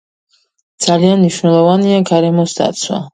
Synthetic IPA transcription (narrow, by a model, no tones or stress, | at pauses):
d̪z̥alianmniʃwnɛlˠɔvaniaɡaɾɛmɔsd̪a̰t̪sʰwa̰